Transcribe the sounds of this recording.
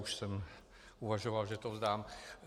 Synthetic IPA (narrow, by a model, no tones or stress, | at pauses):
uʃsɛm | uvaʒovalʒɛt̪ozd̪aːm